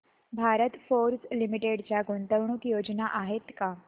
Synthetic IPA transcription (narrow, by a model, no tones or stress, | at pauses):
bʱaɾət̪foɾslimiʈeɽt͡ɕjaɡunt̪əwɳ̃uːkjod͡znaʔaɦet̪ka